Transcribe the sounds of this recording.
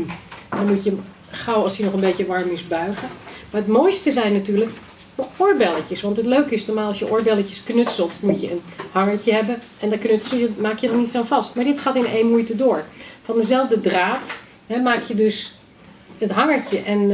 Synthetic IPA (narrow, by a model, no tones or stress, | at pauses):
dɑnmucjə | χɑwɑlˠsjənɔχənbejcəʋɑɹmɪsbœɥχəmaɹətmojstəzɛjnːatyːɹlək | ɔʊɹbɛləcəsʋɑntɦətløɥkɪsnoɔɹmaːlˠɑsjəʔʊɹbɛləcəsknɵtsəlˠtmucjəənhɑŋəɹcəɦɛbən | ɛndɑknɵtsəl̩ˠjəmaːkjədɑtnitsonvɑstmaːɹdɪtχaːtɪnejnmujtədʊːɹfɑndəzɛlˠvdədraːt | ɦɛmaːkjədɵs | ətɦɑŋəɹcəʔɛn